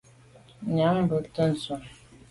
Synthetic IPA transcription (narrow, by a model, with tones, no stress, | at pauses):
ɲa˨˦ŋ˦bə˨tə˦n̩˨su˨m